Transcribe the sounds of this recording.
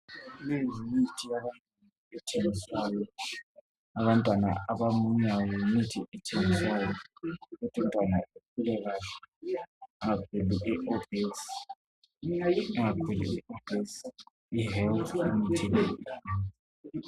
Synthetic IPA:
lezimitʰiaβantʼan | ɛtʰeŋisajɔ | aβantʼwana̰aβamuɲawumitʰiʔɛtʰeŋisaːjɔkutʼuntʼwanaʔekʰulɛɣalɛ | ŋakʰuluʔiʔofis | ŋakʰulṵiofis | iɦɛlt̪ʰamitʰilɛiɛ

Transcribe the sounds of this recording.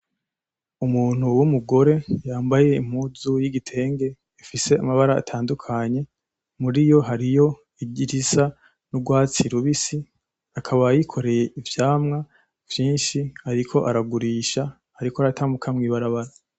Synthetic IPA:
umuːn̥huwumuɡo̞ɾe̞jaːmbaje̞im̥huzujiɡitʰe̞ːŋɡe̞ | ifise̞amaβaɾa̰ːtʰaːndukʰaɲe̞ | muɾijo̞ɦaɾijo̞ | iɟiɾisa | nuɡwaːt͡siɾuβisi | akʰaβajikʰo̞ɾe̞je̞ivjaːmŋa | vjiːnʃihaɾikʰo̞ʔaɾaɡuɾiʃa | haɾikoaɾatʰamukʰamŋiːβaɾaβaɾa

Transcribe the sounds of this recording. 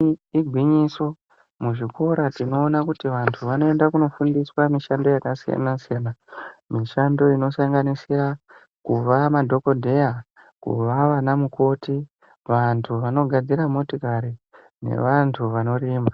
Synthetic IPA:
iɡʱwiɲiso̞ | muʐiko̞ɾatino̞ːnakutiʋantʰuʋano̞e̞ndakuno̞fundiswamiʃando̞jakasija̰nasijanamiʃando̞ino̞saŋɡanisira | kuʋamadʱo̞ko̞dʱe̞ja | kṵʋaʋanamuko̞ti | ʋantʰuʋano̞ɡʱad͡ziɾamo̞tikaɾi | ne̞̰ʋantʰuʋano̞riːma

